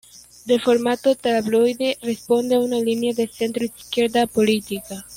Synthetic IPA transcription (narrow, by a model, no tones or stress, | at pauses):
d̪elfoɾmat̪ot̪alaβlojðerespond̪eaunalinjaðeθent̪ɾoiskjeɾðapolit̪ika